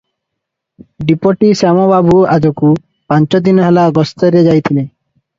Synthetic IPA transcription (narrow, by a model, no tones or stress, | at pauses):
ɖipoʈisɛmɔbabuad͡ʑoku | pant͡ɕɔd̪inɔɦɛlaɡɔst̪ɔɾed͡ʑajt̪ʰile